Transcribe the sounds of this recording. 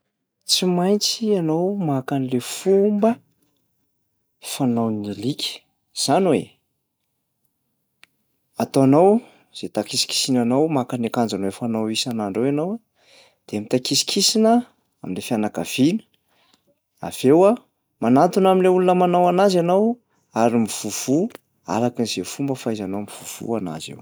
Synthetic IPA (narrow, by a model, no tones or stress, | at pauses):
t͡simajnt͡sianowmakanilefumbə | fanawnilikʲʰi̥ | z̥anwḛ | at̪oanaw | z̥et̪akisi̥ki̥sinanawmakanakand͡zanwefanawisanaɳɖ͡ʐawanawa | d̪̥emit̪akisi̥kʰisinə | aminlefianakav̥inə̥ | a̰v̥ewa | manat̪unaminleulunəmanawanazanaw | aɾimiv̥uv̥u | a̰ɾakiniz̥efumbəfajzanowmiv̥uv̥ṵana̰zḛw